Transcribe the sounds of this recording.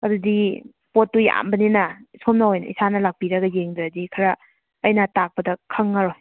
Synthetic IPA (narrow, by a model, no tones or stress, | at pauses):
ɐdudi | potːuja̰mbɐninɐisomnɐojnɐ̰isanɐlak̚piɾɐɡɐjeŋdɾɐdikʰɐɾɐː | jnɐtak̚pɐdɐkʰɐŋːaɾoj